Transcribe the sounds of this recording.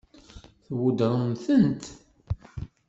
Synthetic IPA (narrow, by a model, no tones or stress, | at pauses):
θwud̪ɾˤəmθənt̪